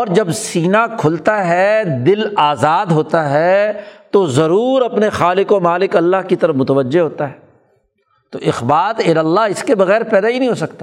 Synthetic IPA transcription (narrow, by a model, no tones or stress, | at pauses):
ɔːɾd͡ʒɐbsiːnakʰʊlt̪aɦɛd̪ɪlaːzaːd̪ɦoːt̪aɦɛt̪ozɐɾuːɾɐpnexaːlɪkomaːlɪkɐlːaɦkit̪ɐɾəfmʊt̪əʋəd͡ʒːeɦoːt̪aɦɛː | t̪oʔɪxbaːt̪eːɾɐlːaɪskebɐɣɛːɾpɛːd̪aɦinɐɦĩɦoːsɐk̚t̪ḁː